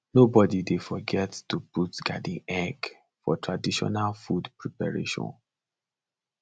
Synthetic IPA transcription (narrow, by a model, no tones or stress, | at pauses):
nobɔdidefɔɡɛttuputɡa̰dĩɛɡ | fɔ̰tɹadiʃɔ̰nalfudpɹipaɹḛʃɔ̰̃n